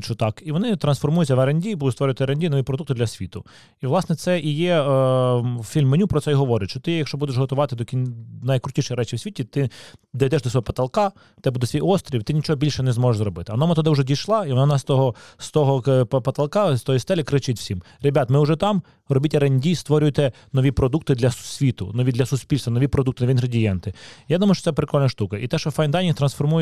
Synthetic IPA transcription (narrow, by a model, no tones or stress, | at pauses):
t͡ʃɔt̪ɑkiʋɔnɪt̪ɾɐnsfɔrmujʊtʲɐʋɐɾɐnʲdʲibud̪ʊst̪ʋɔɾʲʊjt̪ɪɐɾenʲdʲijnɔʋʲipɾɔd̪ukt̪ɪd̪lʲɐsʲʋʲit̪ʊ | iʋlˠɑsnɛt̪sɛijɛ | fʲilʲmːenʲupɾɔt̪sɛjɦɔʋɔɾɪt̪ʲʃt͡ʃɔt̪ɪjɐkʃt͡ʃɔbud̪eʃɦɔt̪ʊʋɑt̪ɪd̪ɔkʲinnɐjkɾʊtʲiʃɪjɾɛt͡ʃɪwsʲʋʲitʲit̪ɪd̪ɐjd̪ɛʃd̪ɔsɔɔpɐ̥t̪ɐlˠkɑ | t̪ɛbud̪ɛsʲʋʲijɔst̪ɾʲiwt̪ɪnʲit͡ʃɔɦɔbʲilʲʃɛnɛzmɔʒeʃʒzɾɔbɪt̪ɪɐɔnɔmɛt̪ɔd̪ɛʊʒɛdʲijʃlˠɑiʋɔnaɔnɑst̪ɔɦɔst̪ɔɦɔppɐt̪ɐlˠkɑst̪ɔjist̪ɛlʲɪkɾɪt͡ʃɪtʲwsʲim | rebʲat̪mɪʊʒɛt̪ɑm | rɔbʲitʲɐɾenʲdʲist̪ʋɔɾʲʊjt̪ɛ | nɔʋʲipɾɔd̪uk̚t̪ɪd̪lʲɐsʲʋʲit̪ʊ̰nɔʋʲid̪lʲɐsʊsʲpʲilʲst̪ɐnɔʋʲipɾɔd̪uk̚t̪ʊnɔʋʲinɾɐdʲijɛnt̪ɪjad̪umɐjʊt͡ʃɔ̥t̪ɛpɾɪkɔlʲnʲɐʃt̪ukɐʔit̪ɛʃt͡ʃɔfɑjnd̪ɑnʲit̪ɾɐnsfɔrmuj